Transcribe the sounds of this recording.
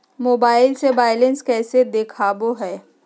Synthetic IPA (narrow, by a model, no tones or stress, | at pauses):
moːbaːɪlsebaːɪlɪnskɛːsed̪ekʰaːboɦɛː